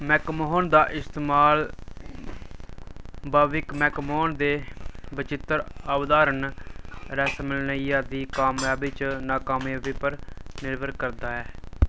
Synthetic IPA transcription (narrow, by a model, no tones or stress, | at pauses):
mɛːkmoɦond̪aːʔɪst̪eːmaːl | baːʋɪkmɛːkmoːnd̪eːbɪt͡ʃɪt̪ːəɾaːbd̪aːɾən | ɾɛːsəmɪlnəijaːd̪iːkaːmaːbɪt͡ʃnaːkaːmjaːʋɪːpəɾnɪɾʋəɾkəɾd̪aːɛː